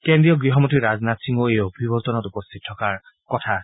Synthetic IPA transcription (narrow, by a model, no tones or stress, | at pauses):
kendɹiɔɡɹiɦɔmotiɹaznatsiŋoejobʱibɔɹtɔnɔtupɔstʰit̚tʰːɔkaɹ | kɔtʰa